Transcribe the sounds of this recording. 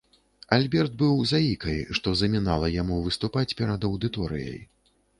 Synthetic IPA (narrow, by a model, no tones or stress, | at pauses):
alʲbʲɛrd̪̚bɨwzaikɐjʂt̪ɔzɐmʲinalˠɐjamuvɨst̪upat͡sʲpʲɛɾad̪ɐwd̪ɨt̪ɔɾɨ̰jɐ̰j